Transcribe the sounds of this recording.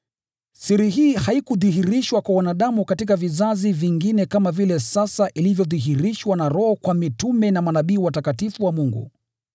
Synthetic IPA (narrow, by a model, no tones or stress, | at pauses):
siɾiɦiːhaikuðiɦiɾiʃwakwawanaɗamukatikavizaziviŋɡinɛkamavilɛsasaʔilivjɔðiɦiɾiʃwanaɾɔhɔkwamitumɛnamanaɓiːwatakatifuwamuŋɡṵ